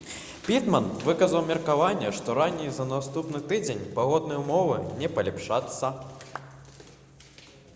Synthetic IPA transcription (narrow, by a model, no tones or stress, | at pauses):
pʲit̪mɐnvɨkɐzɐwmʲɛrkavanʲːɛʂt̪ɔɾanʲːijzɐnast̪upnɨt̪ɨd͡zʲenʲpaɣɔd̪̚nɐjwmɔvɨnʲɛpɐlʲipʂat̪sːɐ